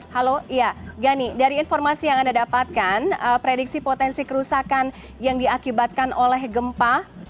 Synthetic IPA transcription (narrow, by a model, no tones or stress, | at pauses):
haloijaɡanidaɾiːnfɔrmasijaŋandadapat̪̚kanəpɾediksipot̪ɛnsikəɾusakan | jaŋdiakibat̪̚kanʔolɛhɡəmpa